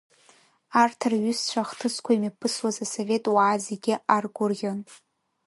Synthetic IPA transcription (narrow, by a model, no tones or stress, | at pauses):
artʰarɥʏst͡ʃʷʰaχtʰɨskʷʰaimipʰɨswazaso̞ve̞tʼwaːzeɡʲɪarɡʷʊrʁʲon